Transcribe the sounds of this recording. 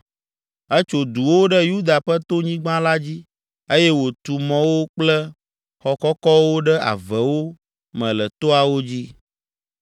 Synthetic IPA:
ə˦t͡ʃo˨d̪u˨wo˦ɖɛ˦ju˦d̪a˨ɸə˦t̪o˦ɲĩ˦ɡ͡bã˦la˦d͡ʑi˦ | e˦jɛ˦wo˨t̪u˨mɔ̃˨wo˦k͡plɛ˦ | xɔ˨kɔ˦kɔ˦wo˦ɖɛ˦a̰˨vɛ˨wo˦ | mɛ̃˨lə˨t̪o˦a˨wo˦d͡ʑi˦

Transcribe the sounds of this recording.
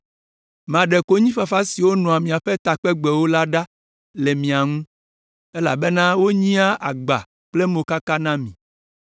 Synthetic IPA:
mã˨ɖe˨ko˦ɲĩ˦fa˨fa˦si˨wo˦nɔ̃˨a˨mĩ˨a˨ɸe˦t̪a˨k͡pe˦ɡ͡be˨wo˦la˦ɖa˦ | le˨mĩ˨a˨ŋũ˦ | e˦la̰˨be˦nã˦wo˦ɲĩ˦a˦ʔa˨ɡ͡ba̰˨ | k͡ple˦mõ˨ka˦ka˦nã˦mĩ˨

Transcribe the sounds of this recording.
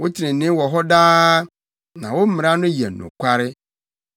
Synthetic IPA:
wʊ˦t͡ɕʰɪ˨ɾɪ̃˨nɪ̃˦wɔ˨ɦɔ˦daː˦ | nã̰˨wo˦m̩˦mɪ̃˨ɾa˦nʊ̃˦ji˨ɛ̰˨n˨ʊ̰̃˨kʷʰa˦ɾɪ˦

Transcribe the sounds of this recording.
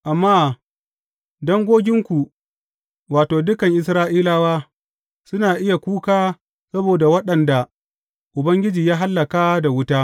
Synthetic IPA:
ʔa˨mːaː˦ | dɔ˦ŋɡʷoː˦ɡʲɪ˦ŋkʷu˨ | waː˨toː˨dʊ˦kɐ˨ŋʔɪ˨s̬ɾaː˦ʔiː˦laː˦waː˦ | sʊ˦naː˨ʔɪ˦ja˨kʷuː˦kaː˦ | sɐ˦boː˨da˨wɐ˦ɗɐ˨nda˨ | ʔʊ˨bɐ˦ŋɡʲɪ˦d͡ʒiː˨jaː˦ɦa˦lːɐ˨kaː˦da˨wʊ˦taː˦

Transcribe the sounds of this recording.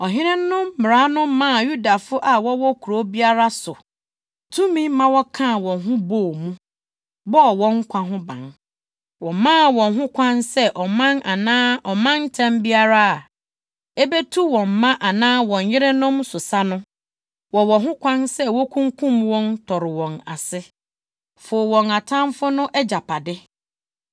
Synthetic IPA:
ɔ˨ɦɪ̃˦ɾɪ̃˦nː˦ʊ̃˦mːɪ˨ɾa˨˦nʊ̃˦m˦mã˦˨ju˦da˨fʊ˦ʔa˨wɔ˦wɔ˦kʰu˨ɾo˦bi˦a˦ɾa˦sʊ˨ | tʰũ˦mĩ˦mã˦wɔ˦kʰã˦˨wɔ̃˨nɦʊ̃˦boː˨mũ˦ | bɔ˦˨wɔ̃˦ŋ̩˦kʷʰã˦ɦʊ̃˦bã̰˨n | wɔ̃˨mã˦˨wɔ̃˨nɦʊ̃˦kʷʰã˦nsɛ˦ʔɔ˨mã˦na˨nãː˦ʔɔ˨mã˦n˦tʰɛ̃˦mbi˦a˦ɾa˦a˨ | e˦be˦tʰu˦wɔ̃˨mːã˦ʔa˨nãː˦wɔ̃˨ɲ˨jɪ˦ɾɛ˦nʊ̃˦msʊ˨sa˦nʊ̃˦ | wɔ˨wɔ˨ɦʊ̃˦kʰʷã˦nsɛ˦wɔ˦kʰũ˦ŋkʰũ˦mwɔ̃˦ntʰɔ˨ɾɪ˨wɔ̃˨na̰˨sɪ˦ | fʊ˨wɔ̃˨ŋa˨tʰã˦mfʊ˦nʊ̃˦ʔɛ˦d͡ʑa˨pʰa˨dɪ˦

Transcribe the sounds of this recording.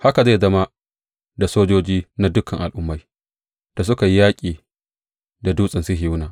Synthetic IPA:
ha˦ka˨za˦˨zɐ˦ma˦ | da˨soː˦d͡ʒoː˦d͡ʒiː˦na˦dʊ˦kɐ˨ŋʔa˨lʔʊ˦mːa˦j | d̥a˨s̬ʊ˦ka˨ji˦jaː˦kʲʼiː˨ | da˨duː˦sʼɪ˨nsɪ˦ɦi˨ʊ˦naː˨

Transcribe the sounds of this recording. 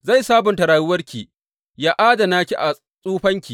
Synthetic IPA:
za˦˨jsaː˦bʊ˨ntɐ˨ɾaː˨jʊ˦wɐ˦rkʲiː˨ | jaː˦ʔaː˦da˨naː˦kʲi˦ʔa˨ | sʼuː˦ɸɐ˦ŋkʲiː˨

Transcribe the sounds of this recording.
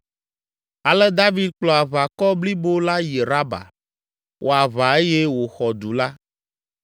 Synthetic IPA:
a˨lɛ˦d̪a˦vi˦d̪̚k͡plɔ˨a˨βa˨kɔ˦bli˦bo˦la˦je˨ɾa˦ba̰˨ | wʔo˨a˨βa˨e˦je˦wo˨xɔ˨d̪u˨la˦

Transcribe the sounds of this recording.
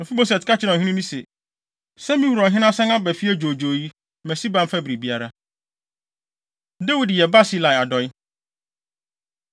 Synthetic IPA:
nʊ̃˨fi˦bo˦sɛ˨tkʰa˦t͡ɕʰɪ˦ɾã˨ɦĩ˦nĩ˦nĩ˦se˨ | sɛ̃˦mĩ˦hu˨ɾɔ˨ɦɪ̃˦nã˦sɛ̃˦nã˦bæ˨fi˦ɛ˦d͡ʑo˨d͡ʑo˨ji˦ | mæ̃˨si˦ba˦m̩˦fa˦bɾi˨bi˦a˦ɾa˦ | dɛ˦wi˨djɛ˨ba˦si˦la˨ja˨dɔ˨ɪ˦

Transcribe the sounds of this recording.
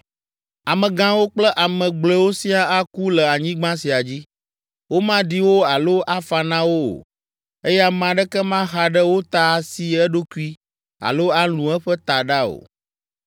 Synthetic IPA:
a˨mɛ̃˨ɡã˦wo˦k͡plɛ˦ʔa˨mɛ̃˨ɡ͡blɛ˨˦wo˦si˦a˦a˦ku˦lɛ˨a˨ɲĩ˦ɡ͡bã˦si˨a˨d͡ʑi˦ | wo˦mã˦ɖi˦wo˦a˨lo˦ʔa˦fa˨nã˦wo˦o̰˨ | e˦jɛ˦a˨mã˨ɖɛ˦kɛ˦mã˦ɦa˨ɖɛ˦wo˦t̪a˨si˨ɛ˦ɖo˦ku˦i˦ | a̰˨lo˦a˦l̃ũ˨ɛ˦ɸɛ˦t̪a˨ɖa˦o̰˨

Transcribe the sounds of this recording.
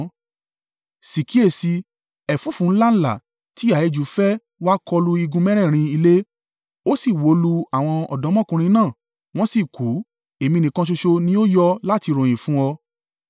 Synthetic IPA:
si˨ki˨˦e˦˨si˧ | ɛ˨fu˨˦fũ˨˦n̩˦la˦n̩˦la̰˨ | ti˨˦a˨˦e˧d͡ʒu˨˦fɛ˦ | wa˦kʰɔ˧lu˧i˧ɡũ˧mɛ̃˦ɾ̃ɛ̃˦˨ɾ̃ĩ˧i˧le˦ | o˦si˦˨wo˨˦lu˧a˦˨w̃ɔ̃˧ɔ̰˨dɔ̃˨˦mɔ̃˦kũ˧ɾ̃ĩ˧nãː˦˨ | w̃ɔ̃˦si˦˨ku˨˦ | e˨mĩ˧nĩ˨kã˧ʃ̬o˧ʃo˧nĩ˦o˦jɔ˦la˦ti˧ɾõ˨j̃ĩ˨fũ˦ɔ˧

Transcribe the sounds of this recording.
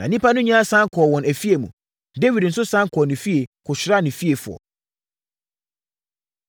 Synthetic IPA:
nã˨nĩ˦pa˦nʊ̃˦ɲã˦a˦sã˦ŋkʰɔ˨wɔ̃˨næ˨fi˦e˨mũ˨ | de˦wi˨dn̩˨sʊ˦sã˦ŋkʰɔ˨nɪ̃˨fi˦e˨kʰʊ˨ɕᶣɪ˨ɾa˦˨nɪ̃˨fi˦e˨fʊ˨ɔ̰˨

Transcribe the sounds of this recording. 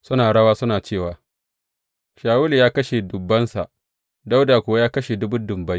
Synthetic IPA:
sʊ˦naː˨ɽɐ˦waː˦sʊ˦naː˨t͡ʃeː˦˨waː˨ | ʃaː˨wʊ˦li˨jaː˦kɐ˦ʃe˨dʊ˨bːɐ˦nsa˨ʔ | da˦wdaː˨kʷʊ˨wa˦jaː˦kɐ˦ʃe˨dʊ˦bʊ˦dʊ˨mbɐ˦j

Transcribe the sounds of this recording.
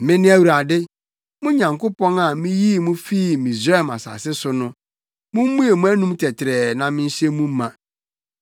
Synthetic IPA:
mɪ̃˦nɪ̃˦æ˦wu˨ɾa˨dɪ˦ | mʊ̃˦ɲã˨ŋko˦pɔ̃˦na˨mĩ˦ji˦˨mũ˦fi˦˨mĩ˨zɾɛ˦˨ma̰˨sa̰ː˨sɪ˦sʊ˦nʊ̃˦ | mũ˦m˦mũ˦e˨mũ˦æ˦nũ˦mtʰɛ˨tʰɪ˨ɾɛ˨nã˨mɪ̃˦n̩˦ɕe˦mũ˦m˦mã˨

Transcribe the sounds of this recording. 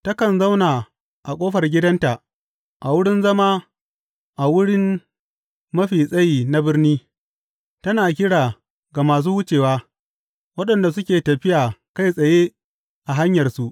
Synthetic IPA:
tɐ˦kɐ˨nza˦wnaː˨ | ʔa˨kʷʼoː˦ɸɐ˨rɡʲɪ˦dɐ˦nta˨ʔ | ʔa˨wʊ˦ɽɪ˦nzɐ˦maː˦ | ʔa˨wʊ˦ɽɪ˦m | mɐ˦ɸiː˨sʼɐ˦jiː˨na˦bɪ˦rniː˦ | tɐ˦naː˨k̬ʲɪ˦ɽaː˨ | ɡa˨maː˨s̬uː˦hʊ˦t͡ʃeː˨waː˦ | wɐ˦ɗɐ˨nda˨s̬ʊ˦kʲeː˨tɐ˨ɸɪ˦jaː˨ka˦jsʼɐ˨jeː˦ | ʔa˨ɦa˦ɲjɐ˨rsu˦ʔ

